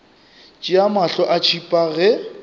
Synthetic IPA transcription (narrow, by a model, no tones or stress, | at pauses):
t͡ʃʼiamaɬɔʔat͡ʃʰipʼaɣɛ